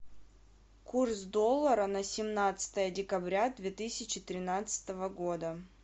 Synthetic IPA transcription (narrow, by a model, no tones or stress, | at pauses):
kursd̪olˠːəɾənəsʲɪmnat̪sɨ̥t̪əjədʲɪkɐbɾʲad̪vʲet̪ɨsʲɪt͡ɕɪt̪ɾʲɪnat̪sɨ̥t̪əvəɡod̪ə